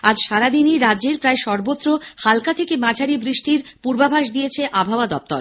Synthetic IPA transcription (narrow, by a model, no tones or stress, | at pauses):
ad͡ʑʃaɾad̪iniɾadːd͡ʑeɾpɾaeʃɔɾbot̪ːɾohalkat̪ʰekemad͡ʑʰʱaɾibɾiʃʈiɾpuɾbabʱaʃd̪ijet͡ɕʰeʔabʱaoad̪ɔp̚t̪o̰ɾ